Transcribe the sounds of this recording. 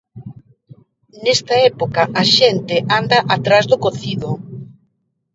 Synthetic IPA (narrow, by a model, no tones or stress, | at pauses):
nɛst̪ɐɛpokɐʔaʃent̪ɪʔand̪ɐʔat̪ɾazðʊkoθiðʊ